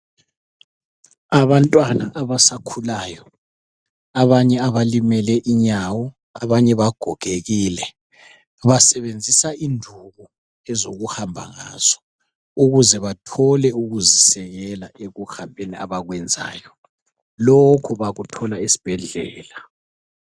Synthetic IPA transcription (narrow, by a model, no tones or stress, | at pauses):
aβantʼwanaʔaβasakʰulaːjɔ | aβaɲɛaβalimɛlɛʔiɲawɔ | a̰βaɲɛβaɡ̥ʱɔɡ̥ʱeɣiːlɛ | βasɛβend͡zʱisaindʱuɣu | ɛzoɣuhambʱa̰ŋa̰z̥ɔ̥ | uɣuzɛβatʰɔlɛuɣuzisɛɣɛlaʔeɣuxambʱenia̰βaɣwɛnd͡zʱa̰ːjɔ | lokʰuβaɣutʰɔlaisi̥b̥ʱɛɮɛːla